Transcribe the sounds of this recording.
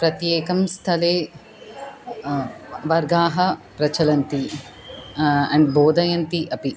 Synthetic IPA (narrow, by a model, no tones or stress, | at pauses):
pɾɐt̪jeːkɐmst̪ʰɐleː | ʋɐɾɡaːɦɐpɾɐt͡ʃʰɐlɐnt̪i | ɐɳɖboːd̪ʱɐjɐnt̪iʔɐpi